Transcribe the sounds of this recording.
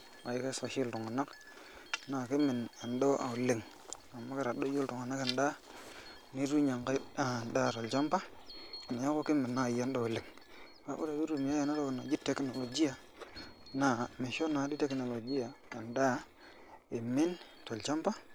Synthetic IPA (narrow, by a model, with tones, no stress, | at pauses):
a˨ji˦ke˦so˨ʃi˦ltu˨ŋa˨nːa˦k | na˨ki˦mi˨na˨ndo˦a̰˨u˨le˨ŋ | a˨mːa˦ka˦ɾa˨ɗo˦ju˦ltu˨ŋa˨na˦ka˨nda˦ | ni˦ɾu˦ɲa˨ŋka˦a˨nda˦˨to˨lt͡ʃa˦mpa˦a˨na˨ja˦ko˦ki˦mi˨nːa˦˨jo˦ndo˨u˨le˨ŋ | ka̰˦ṵ˦ɾa˨bi˦ɾu˨m˨ja˦ja˨na˦to˦kna˨d͡ʒi˦te˨˦kno˨lo˨d͡ʒi˦ja˨ | na˨mi˨ʃo˦na˨˦di˦te˦kno˨lo˨d͡ʒi˦ja˨a˨nda˦ | e˨mi˦n | to˨lt͡ʃa˦mpa˦